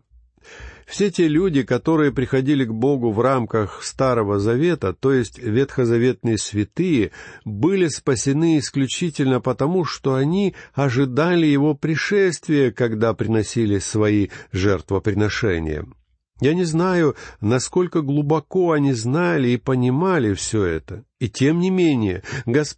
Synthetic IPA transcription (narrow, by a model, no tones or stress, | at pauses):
fsʲe̞tʲe̞lʲudʲɪkɐt̪o̞ɾɨjəpɾʲɪxɐdʲilʲɪɡbo̞ɡʊvramkəxst̪aɾəvəzɐvʲe̞t̪ət̪o̞jɪsʲtʲvʲet̪xəzɐvʲe̞t̪̚nɨjəsvʲɪt̪ɨjɪbɨlʲɪspəsʲɪnɨɪsklʲʉt͡ɕitʲɪlʲnəpət̪ɐmuʂt̪o̞ɐnʲiɐʐɨd̪alʲɪjɪvo̞pɾʲɪʂɛst̪vʲɪjəkɐɡd̪apɾʲɪnɐsʲilʲɪsvɐiʐɛrt̪vəpɾʲɪnɐʂɛ̰nʲɪ̰jə̰ | janʲɪznajʊnɐsko̞lʲkəɡlˠʊbɐko̞ɐnʲiznalʲɪːpənʲɪmalʲɪfsʲɵɛ̰t̪ə | itʲe̞mnʲɪmʲenʲɪjəɡɐs